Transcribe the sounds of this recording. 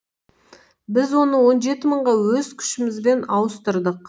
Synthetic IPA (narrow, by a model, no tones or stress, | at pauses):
bɪzwo̞nəwo̞nʒe̞t̪ɪməɴʁɑwɵzkʲʰʏ̥ʃɪmɪzbe̞nɑwəst̪əɾd̪əq̚